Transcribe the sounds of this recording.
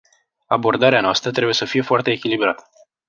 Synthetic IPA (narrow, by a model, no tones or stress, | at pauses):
abo̞rd̪aɾeanoast̪ɾət̪ɾe̞buje̞səfije̞foart̪e̞ːkʲilibɾat̪ə̥